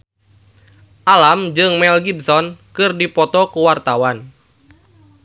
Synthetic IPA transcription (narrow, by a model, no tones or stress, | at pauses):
ʔalamd͡ʒɨŋmɛlɡibsɔnkɨrdipɔt̪ɔkuwart̪awan